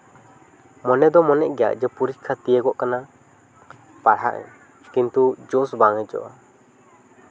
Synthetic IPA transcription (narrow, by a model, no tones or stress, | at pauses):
mɔnɛd̪ɔmɔnɛʔɡɛja̰ʔd͡ʒəpuɾic̚kʰat̪ijəkɔʔkana | paɽɦa̰ʔɛ̰̃ | kint̪ud͡ʒɔsbaŋɛd͡ʒɔ̰ʔa